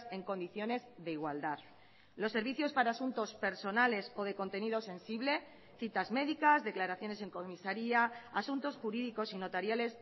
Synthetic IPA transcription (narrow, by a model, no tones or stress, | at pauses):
se̞ŋko̞nd̪iθjo̞ne̞zðe̞iɣwald̪að | lo̞sːe̞ɾβiθjo̞spaɾaːsunt̪o̞spe̞ɾso̞nale̞so̞ð̞e̞ko̞nt̪e̞niðo̞sẽ̞nsiβle̞ | θit̪azme̞ðikazðe̞klaɾaθjo̞ne̞se̞ŋko̞misaɾiaasunt̪o̞sxuɾiðiko̞sino̞t̪aɾjale̞s